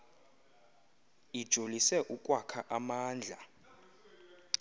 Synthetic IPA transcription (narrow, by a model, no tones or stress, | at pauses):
id̥ʒ̥ʱolisɛʔukʼwakʰaʔamaːnd͡ɮʱa